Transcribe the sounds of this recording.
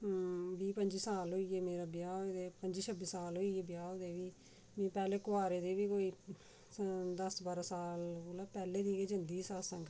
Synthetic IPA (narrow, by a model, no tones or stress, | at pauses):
ʋiːpəɲd͡ʒiːsaːlɦoːiːɛːmeːɾaːbɪjaːd̪eːpəɲd͡ʒiːt͡ʃʰəbisaːlɦoːiːeːbɪjaːoːd̪eːʋiː | mɛ̃ːpɛːleːkʊaːɾeːd̪eːʋiːkoːiː | d̪əsbaːɾaːsaːloːlaːpɛːleːd̪iːkeːd͡ʒənd̪iːsaːlsãːŋɡ